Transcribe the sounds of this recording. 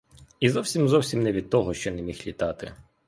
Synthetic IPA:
izɔwsʲimzɔwsʲimnɛʋʲid̪̚t̪ɔɦɔʃt͡ʃɔnɛmʲixlʲit̪ɑt̪ɪ̰

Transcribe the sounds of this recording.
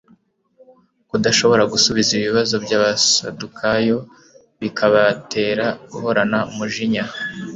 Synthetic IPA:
kudaʃo̞βo̞ɾaɡusuβiziβiβazo̞bɟaːβasadukʰajo̞ | βikʰaβate̞ːɾaɡuho̞ɾanaumuʒiɲa

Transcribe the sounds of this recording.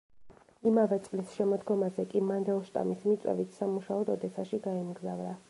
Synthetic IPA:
imavɛt̪sʼlisʃɛmɔd̪ɡɔmazɛkʼimand̪ɛlˠʃt̪ʼa̰mismit̪sʼwɛ̰vit̪ʰsamuʃaɔd̪ɔd̪ɛsaʃiɡaimɡzavɾa

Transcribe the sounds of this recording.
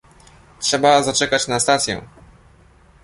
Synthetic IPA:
tʂɛbazat͡ʂɛkat͡ɕnast̪at̪sʲjɛ̰̃

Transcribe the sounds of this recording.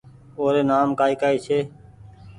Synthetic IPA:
oːɾeːnaːmkaːiːkaːiːt͡ʃʰeː

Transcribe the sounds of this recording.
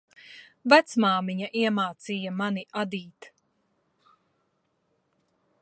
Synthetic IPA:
vat̪smaːmiɲaʔiɛmaːt̪siːjɐmaniʔad̪iːt̪

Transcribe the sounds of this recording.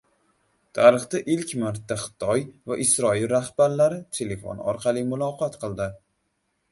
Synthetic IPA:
t̪ʰaɾɨχt̪aʔɪlkʲmaɾt̪ʰːaχɨ̥t̪ʰɒjvaʔɪsɾɒɪlɾahb̥aɾlaɾɪt̪ʰe̞le̞fo̰nɒ̰ɾqʰɑlˠimʊlˠɒqʰɑt̪qʰɨlˠd̪ɪ

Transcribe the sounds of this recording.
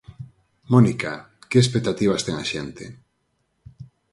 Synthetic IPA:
monika | kees̬pek̚t̪at̪iβ̞ast̪eŋaʃent̪e

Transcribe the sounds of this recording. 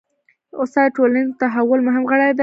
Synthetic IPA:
ost̪ɑʈolant̪aɦawʊlmʊɦɪmɣəɽajd̪a

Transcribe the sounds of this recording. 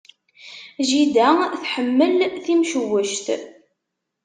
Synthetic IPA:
ʒid̪æθħəmːəlθimʃəwːəʃt̪

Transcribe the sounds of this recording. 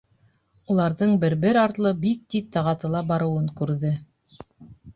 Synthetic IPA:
ulˠɑɾðɤɴbɘ̆ɾbɘɾɑɾt̪lˠɤbik̚t̪it̪ːɑʁɑt̪ɤ̆lˠɑbɑɾɤ̆wɤŋkʉɾðɘ

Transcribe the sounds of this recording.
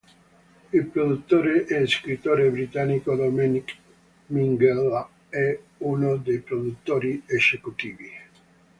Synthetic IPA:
ilpɾod̪ut̪ːoːɾeʔɛskɾit̪ːoːɾebɾit̪anːikod̪omenik | miŋɡɛla | ɛ | unod̪ejpɾod̪ut̪ːoːɾiesekut̪iːvi

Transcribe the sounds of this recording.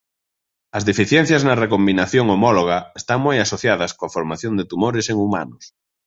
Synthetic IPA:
ɐzðefiθjɛn̟θjɐznɐrekombinaθjoŋomɔloɣ̞ɐest̪aŋmojasoθjaðɐskoɐfoɾmaθjond̪et̪umoɾɪseŋuma̰nʊs

